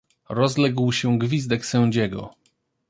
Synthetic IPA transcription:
ɾɔzlɛɡwɕɛɡvʲizd̪ɛksɛ̃w̃d͡ʑɛɡɔ̰

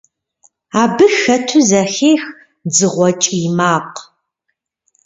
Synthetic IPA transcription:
aːbɨxɐtʰuzɐxeːx | d͡zɨʁʷɔt͡ʃʼjmaːq

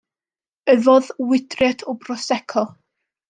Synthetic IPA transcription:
əvɔðwɪdrɛtʰɔbrɔsɛkʰɔ

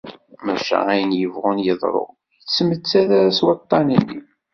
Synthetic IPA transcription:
mæʃæ̰æjənjəvʁʊnjəðˤɾˤo̰ʁ | jət͡sːəmət͡sːæðæɾæswɑt̪ˤːɑninːi

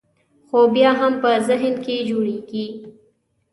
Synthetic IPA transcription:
xoːbjaɦɐmpəzɪɦnkid͡ʒuɽiɡiː

